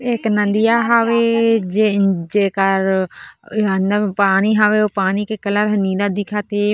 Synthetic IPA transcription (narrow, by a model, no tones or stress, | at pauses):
eknãnd̪ijaːɦaːʋeːd͡ʒed͡ʒeːkəɾ | and̪apaːniːɦaːʋeːopaːniːkekəlaːɾɦəniːɾad̪ɪkʰaːt̪eː